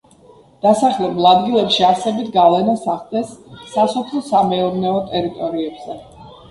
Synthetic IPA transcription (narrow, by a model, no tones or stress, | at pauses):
d̪̥asaχlɛbulˠad̪ɡilˠɛpʃiasɛbit̪ʰɡavlɛnasaχld̪ɛsːasɔpʰlˠɔsamɛɔɾnɛɔt̪ʼɛɾit̪ʼɔɾiɛbz̥ɛ